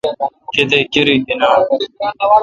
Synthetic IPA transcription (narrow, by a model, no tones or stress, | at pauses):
ked̪ekʲɪɾidɪnaː